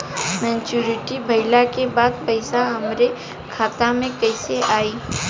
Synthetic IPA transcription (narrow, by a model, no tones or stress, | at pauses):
mɛ̃ːt͡ʃuːɾɪʈibʱɐɪlakebaːd̪̚pɐɪsaɦɐmɾe | kʰaːt̪amẽkɐɪseʔaːiː